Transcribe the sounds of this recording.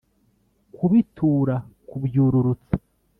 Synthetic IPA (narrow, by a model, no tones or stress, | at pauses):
kuβitʰuːɾakubjuːɾuɾut͡sḁ